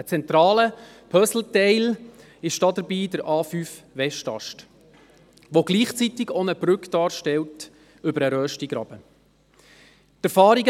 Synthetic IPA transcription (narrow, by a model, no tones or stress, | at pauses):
ət͡sɛnt̪ɾɑːlə | pʰœsl̩tɛɪl | ɪʃd̥ɑd̪əɾbiːdəɾʔɑːfyːf | ʋɛʃtɑ̰ʃt | ʋoɡliːχt͡sit̪ɪɡonəb̥ɾʏkd̥ɑːɾʃtɛlt | ʏbəɾəɾœːʃtiɡɾɑ̰b̥ə | tæɾfɑːɾiɡ